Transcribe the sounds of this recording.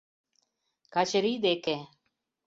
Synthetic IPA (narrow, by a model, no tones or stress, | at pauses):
kaʃəɾiːd̪eːkʰẽː